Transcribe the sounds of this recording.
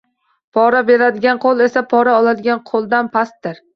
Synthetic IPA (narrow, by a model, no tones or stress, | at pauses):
pʰɒɾabe̞lad̪ɪɡʲanqʰolˠe̞sapʰɒɾaɒlˠad̪ɪɡʲanqʰolˠd̪anpʰast̪ːɪɾ